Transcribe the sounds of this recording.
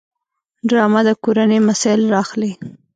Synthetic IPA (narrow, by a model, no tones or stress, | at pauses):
ɖɾɑmad̪əkoɾanəjmasɑjɪlɾɑxli